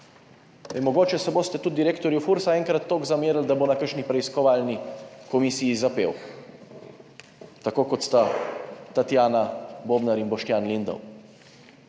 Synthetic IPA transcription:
emɔɡoːt͡ʃɛsɛboːst̪ɛt̪ud̪ːiɾeːkt̪ɔɾjufuɾsaɛːŋkɾat̪ːoːɡzameːɾld̪abonakəɾʃnipɾɛiskɔʋaːlnikɔmisijizapḛːw | t̪akoːkɔt̪st̪at̪at̪jaːnaboːbnaɾinbɔʃt̪jaːnlind̪ɐ̰w

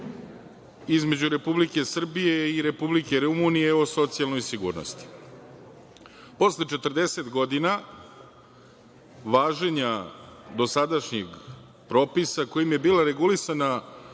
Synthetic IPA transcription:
izme̞d͡ʑuɾe̞publike̞sr̩bije̞iɾe̞publike̞ɾumunije̞oso̞t̪sijalˠno̞jsiɡṵːɾno̰st̪i̥ | po̞slet͡ʃe̞t̪r̩d̪e̞se̞t̪ɡo̞d̪ina | ʋaːʒe̞ɲad̪o̞sad̪aʃɲeɡ | pɾo̞ːpisako̞jimje̞biːlaɾe̞ɡulisana

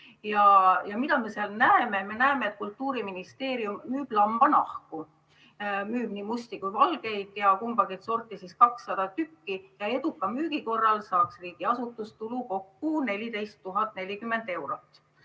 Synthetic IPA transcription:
jɑjɑmid̪ɑme̞seɑlnæeme̞me̞næeme̞et̪̚kult̪ːˑuːɾiminist̪e̞ːɾiumːyːb̥lɑmb̥ɑnɑhku | myːb̥niːmust̪ikujvɑlɡ̥e̞jd̪̥jɑkumb̥ɑɡ̥et̪so̞rt̪ˑːisiskɑksːɑd̪̥ɑt̪ykːijɑe̞d̪ukːˑɑmyːɡ̥iko̞rːɑlsɑːksriːɡ̥iɑsut̪ːˑust̪uluko̞kːune̞lʲid̪e̞jst̪ːuɦɑt̪ˑne̞lʲikymːe̞nd̪̥e̞wɾot̪ːˑ

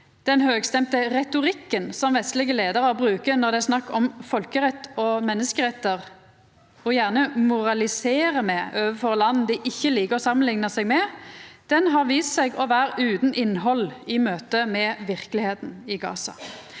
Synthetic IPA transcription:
d̪̥ɛnhøːɡst̪ɛmt̪əʁɛt̪ʊʁɪkːənsɔmʋɛst̪lɪɡəleːd̪əʁɑbʁʉːkənɔʁd̪ɛæʁsnɑkːɔmfɔlkəʁɛt̪ːɔmɛnːəskəʁɛt̪ːəʁ | ɔjæʁnəmʊʁɑlɪseːʁəmɛøːʋəfɔʁlɑn̩ːd̪ɪʔɪçːəliːkəʁɔsɑmːənlɪŋnəsɛɡmɛd̪̥ɛnɦɑʁʋiːst̪sɛɡɔʋæːʁʉːt̪n̩ʔɪnːɦɔlɪmøːt̪əmɛʋɪʁkəlɪheːt̪n̩ɪɡɑ̰ːsɑ̰

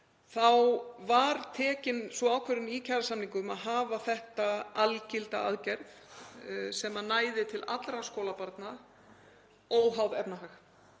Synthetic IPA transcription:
θawvaɾt̪ʰɛːcɪnsvɔaːwkʰvɛɾɪnicʰaɾasamniŋkʏmaðɦaːvaθɛht̪aalcɪlt̪a̰a̰ðcɛɾð | sɛmanaːjðɪt̪ʰɪlʔat̪lɾaskoːlapaɾt̪na | owɦawðɛpnaɦax

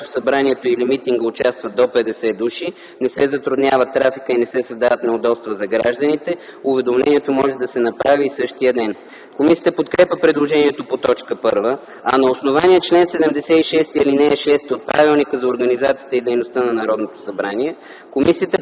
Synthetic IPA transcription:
t̪osɐbɾaniɛt̪oilimit̪iŋɡəʊt͡ʃast̪vəd̪opɛd̪ɛsɛd̪uʃi | nɛsɛzɐt̪ɾʊd̪nʲavət̪ːɾafikəinɛsɛsɐzd̪avət̪nɛod̪ɔtst̪vəzɐɡɾa̰ʒd̪ənit̪ɛʊvɛd̪omlɛ̰niɛt̪omɔʒɛd̪ɐsɛnɐpɾaviːsɤʃt̪ijəd̪ɛn | komisiət̪əpot̪kɾɛpʲəpɾɛd̪lˠoʒɛniɛt̪opot̪ɔt͡ʃkəpɤ̰ɾvə | ɐnɐosnovaniɛt͡ʃlɛnsɛd̪ɛmd̪ɛsɛiʃɛst̪iilinɛːʃɛst̪iot̪̚pɾʔa̰vilˠnikəzɐoɾɡənizat̪siət̪əid̪ɛjnost̪ənɐnɐɾɔd̪not̪o̥sɐbɾaniɛ | komisiət̪ə

